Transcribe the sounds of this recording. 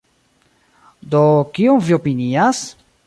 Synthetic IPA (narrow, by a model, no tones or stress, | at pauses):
d̪okioŋviopinias